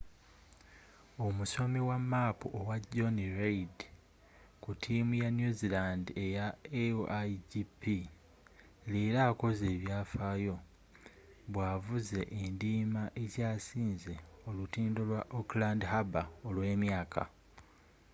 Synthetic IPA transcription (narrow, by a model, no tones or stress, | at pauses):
o̞muso̞miwamːaːpuʔowaɟo̞niɾeid | kutʰimujanjuzilaːndie̞jaeaɟipi | leːɾaːko̞ze̞ːβjaːfaːjo̞ | βwaːvuze̞ʔendiːmaʔe̞caːsiːnze̞o̞lutiːndolwaʔoklaːndhabaolwe̞ːmjaːkʰa̰